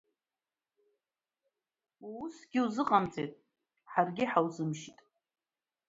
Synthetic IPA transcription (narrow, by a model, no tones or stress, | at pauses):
uʊsɡʲɪuzɨqʼamt͡sʼetʼ | ħarɡʲɪħawzɨmʃitʼ